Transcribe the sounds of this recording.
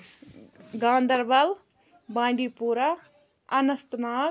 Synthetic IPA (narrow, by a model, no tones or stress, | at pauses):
ɡãːnd̪ʱɐɾbɐl | bãːɳɖipuːɾa | ɐnɐst̪naː